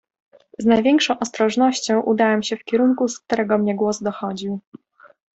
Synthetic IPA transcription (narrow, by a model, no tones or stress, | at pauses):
znajvʲjɛŋkʂɔ̃w̃ʔɔst̪ɾɔʐnɔɕt͡ɕɔ̃w̃ʔud̪awɛmɕɛfkʲɛɾuŋkusk̚t̪uɾɛɡɔmɲɛɡwɔzd̪ɔxɔd͡ʑiw